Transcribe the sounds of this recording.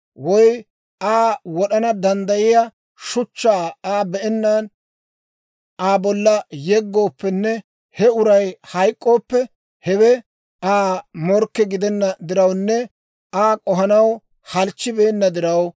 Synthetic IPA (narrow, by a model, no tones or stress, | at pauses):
wɔj | aːwɔɗɐnɐd̪ɐnd̪ɐjɪja | ʃʊt͡ʃːaːaːbɛʔɛnːan | ʔaːbɔlːɐjɛɡːo̞ːpːɛnːɛ | hɛʊɾɐjhɐjkʼːo̞ːpːɛ | hɛwɛ | aːmɔɾkːɛɡɪd̪ɛnːɐd̪ɪɾɐwnːɛ | aːkʼɔɦɐnɐw | hɐlt͡ʃːɪbeːnːɐd̪ɪɾɐw